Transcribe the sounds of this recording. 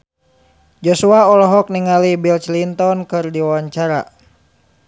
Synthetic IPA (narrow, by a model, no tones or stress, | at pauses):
d͡ʒosuaɔlɔɦɔk̚niŋalibilt͡ʃlint̪ɔnkɨrdiwawaɲt͡ʃaɾa̰